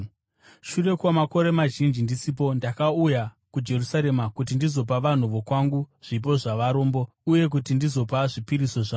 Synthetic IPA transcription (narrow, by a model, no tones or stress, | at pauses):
ʃure̞kwamako̞ɾemaʒind͡ʒindisiːp̬o̞ndakauja | kud͡ʒe̞rusaɾe̞makut̬indizo̞p̬aʋan̤uʋo̞kwaŋɡuʐ̥ip̬o̞ʐaʋaɾo̞ːmbo̞ | uje̞k̬utindizo̞paʐipiɾiso̞ʐa